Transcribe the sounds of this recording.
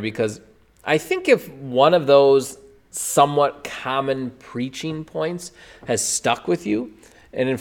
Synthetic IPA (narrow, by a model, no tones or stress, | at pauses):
bɨkʰʌz | ʔaɪθɪ̃ŋkɨfwʌ̃nʌvðoʊz̥ | sʌ̃mwʌt̚kʰɑmɨ̃npʰɹ̥it͡ʃɪ̃ŋpʰɔ̃ɪ̃nts | hɨz̥stʌkwɨðjʉ | ʔɨ̃nɨ̃n